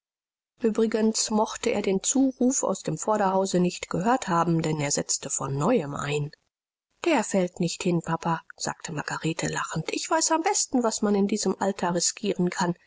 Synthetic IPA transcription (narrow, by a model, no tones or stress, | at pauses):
ʔyːbʁɪɡənsmɔχtəʔeːɐdeːnt͡suːʁuːfa̰ʊsd̥eːmfɔɐɾɐhaʊzənɪçtɡ̥əɦøːɐthaːbm̩dɛneːɐzɛt͡stəfɔnːɔʏəmʔa̰ɪn | d̥eːɐfɛltnɪçthɪnpʰapaz̥a̰ːk̚tʰəmaɡaʁeːtʰəlaχn̩tʔɪçv̥aɪsambɛstn̩vasmanɪndiːzəmʔaltʰɐʁɪskʰiːʁənkʰan